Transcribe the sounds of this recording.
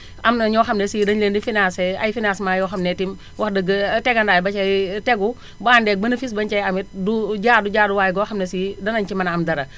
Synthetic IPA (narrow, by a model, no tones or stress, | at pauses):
ɐmnɐɲɔːxɐmnɛsiːdɐnlendifinaːsɛɐ̰jfinasmaːjɔxɐmnɛtim | wʔɐxdɐɡɐtɛɡɐndaːjbɐt͡ʃɐjtɛɡu | baːndɛk̚bɐnɐfis̬bɐɲt͡ʃɐjɐmit̚duɟaːduɟaːduwaːjɡɔːxɐmnesidɐnɐɲt͡ʃimɐnɐmdɐɾɐ